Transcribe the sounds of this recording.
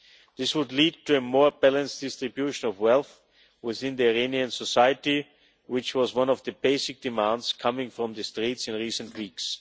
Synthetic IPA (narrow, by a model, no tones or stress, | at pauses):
ðɪswʊdˡliːd̚tʰuɨmɔɹbælə̃nsd̥ɪstɹɨbjuʃə̃nɔvwɛlˠθ | wɪθɪ̃nðəɨɹẽɪ̃niɨ̃nsɔsaɪɨti | wɪt͡ʃwʌzwʌ̃nɔvðɨbeɪsɪk̚d̥ɨmãndskʰʌmɪ̃ŋfɹɔ̃mðɨstɹ̥itsɨ̃nɹiːsə̃ntʰwiːks